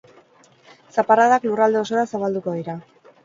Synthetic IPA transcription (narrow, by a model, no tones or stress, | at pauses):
sapaɾaðaklurald̪e̞o̞so̞ɾasaβald̪uko̞ðiɾa